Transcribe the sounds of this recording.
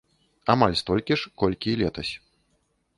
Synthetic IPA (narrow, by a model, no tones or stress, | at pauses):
amalʲst̪ɔlʲkʲiʂkɔlʲkʲilʲɛt̪ɐsʲ